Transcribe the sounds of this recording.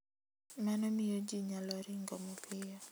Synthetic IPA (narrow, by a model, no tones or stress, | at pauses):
manɔmijod͡ʒiɲalɔɾiŋɡɔmɔpʰɪjɔ